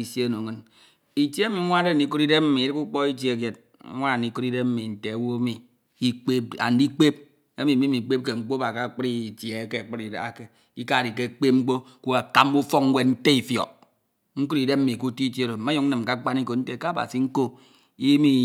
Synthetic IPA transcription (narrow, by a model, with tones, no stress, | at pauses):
i˨se˦no˨ŋɨ˦n | i˨te˦mi˨˦ŋʷa˦de˦n̩˨i˦ku˦ɾi˦de˦m̩˦mi˨˦ɾi˦ku˦k͡pɔ˦i˦t̬je˨kje˨t̚ | ŋʷa˦˨i˨˦ku˦ɾi˦de˦m̩˦mi˨n̩˨te˨a˨wo˦mi˨ | i˦k͡pe˦p̚a̰˨n̩˦di˦k͡pe˦p̚ | e˦mi˨mi˦mi˨k͡pe˦p̚ke˨ŋ͡m̩˦k͡po˦ba˨ka˨k͡pɾi˦˨tje˨˦ke˦a˨k͡pɨ˦ɾi˨da̰˨a˨ke˦ | i˦ka˦˨di˨ke˦k͡pe˦ŋ͡m̩˦k͡po˦ | ku˦a˨ka˦mu˦fɔ˦ŋŋ˦we˨n̩˦te˦i˨fjɔ̰˨ | ŋ̩˦ku˦ɾi˨de˦p̚m̩˦mi˨ku˦ti˦te˦ɾo˨ma˦ju˨ŋn̩˦ɨ˨m˨ka˦k͡pa˦n˦i˦ko˨n̩˦te˦˨ka˦a˨ba̰˨si˨ŋ̩˦ko˦ | i˦mi˦